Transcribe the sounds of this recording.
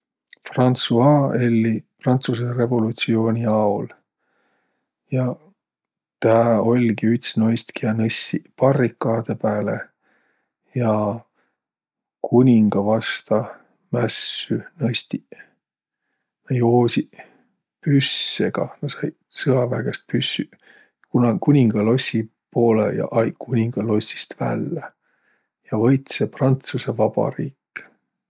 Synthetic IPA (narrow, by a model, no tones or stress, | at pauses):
frɑnt̪suɑelːiprɑnt̪sus̬ere̞vo̞lut̪sio̞ːnʲiɑul | jɑ | t̪æːo̞lʲɡiyt̪sno̞jst̪kiɑnɤsːipɑrːikːˑɑːd̪̥e̞pæːle | jɑ | kʰunʲiŋɡ̥ɑvɑst̪ɑ | mæsːynɑst̪i | nɑjoːsʲi | pysːeɡ̥ɑ̰nɑsɑj | sɯɑvæɡ̥e̞st̪̚pysːy | kunɑkunʲiŋɡ̥ɑlo̞sʲːi | po̞ːlḛjɑ̰ʔɑjkʰunʲiŋɡ̥ɑlo̞sʲːi̥st̪væ̰lːe | jɑvɤjt̪seprɑnt̪suse̞vɑbɑ̰ɾḭːkː